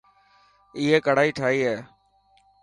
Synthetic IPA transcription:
ɪːɦeːkəɽ̤aːiːʈʰaːɦiːɦɛː

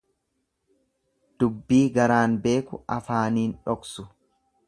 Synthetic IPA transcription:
d̪̥ʊbːiːɡɐɾaːnbe̞ːkʊ̰ʔɐfaːniːnᶑɔksʊ

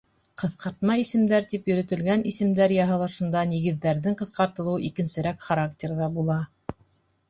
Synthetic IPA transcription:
qɤ̆θqɑɾt̪̚mɑisɘ̆md̪æɾt̪ipjɵ̆ɾɘ̆t̪ɘ̆lɡænisɘ̆md̪æɾjɑɦɤ̆lˠɑʃɤ̆nd̪ɑniɣɘ̆ðːæɾðɘɴqɤ̆θqɑɾt̪ɤ̆lˠɤwʔikɘ̆nsɘ̆ɾækχaɾaktʲeɾðɑbulˠɑ

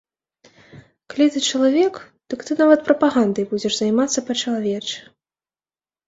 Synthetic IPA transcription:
kalʲit̪ɨt͡ʂɐlˠavʲɛk | d̪̥ɐkt̪ɨnavɐt̪̚pɾɐpaɣand̪ɐjbud͡zʲɛʐzajmat̪sːɐpɐt͡ʂɐlˠavʲɛt͡ʂɛ̥

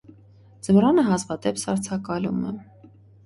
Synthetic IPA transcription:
d͡zəmrɑnəɦɑzvɑt̪ɛpsɑɾt͡sʰɑkɑlṵmə̰

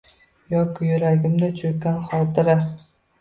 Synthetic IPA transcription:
jɒkʲʰɪjʊɾaɡʲɪmd̪at͡ʃʰʊɾkʲːanχɒt̪ʰɪɾɪ

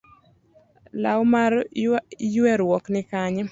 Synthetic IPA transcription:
lawmar | jwɛɾwɔknɪkaɲ

